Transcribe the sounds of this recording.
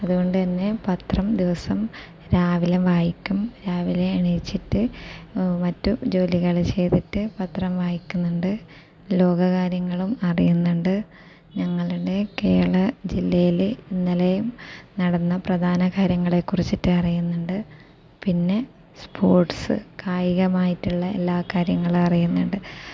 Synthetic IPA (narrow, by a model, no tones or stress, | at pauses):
ɐðuɣo̞ɳɖɨt̪ɐnːe̞pɐt̪rɐmd̪iʋɐsɐm | ɾaːʋilɐmʋaːjikʲːumɾaːʋileːɳiit͡ɕːiʈːɨ | mɐtːud͡ʑo̞ːliɣɐɭt͡ɕe̞jt̪itːɨpɐt̪rɐmʋaːjikʲːunːuɳɖɨ | lo̞ːɡɐɣaːɾjɐŋːɐɭumɐrijunːuɳɖɨ | ɲɐŋːɐɭuɽe̞keːɭɐd͡ʑilːɐjilinːilɐjumnɐɽɐnːɐprɐd̪ʱaːnɐkaːɾjɐŋːɐɭe̞kːurit͡ɕːitːɨɐrijunːuɳɖɨ | pinːe̞ | spʰoːrʈsɨ̰kʰaːjiɣɐmaːjitːuɭːɐelːaːkaːɾjɐŋːɐɭɐrijunːuɳɖɨ